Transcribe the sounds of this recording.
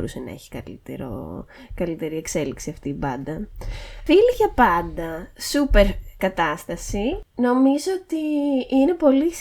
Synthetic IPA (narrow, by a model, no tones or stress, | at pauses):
ɾṵse̞nɐ̰e̞̰çi̥kɐ̰lḭt̪eɾo̰ | kɐlit̪e̞ɾie̞kse̞liksiɐft̪iːbɐnd̪ɐviliʝɐpɐnd̪ɐsupe̞ɾkɐt̪ɐst̪ɐsino̞mizoot̪iine̞po̞lis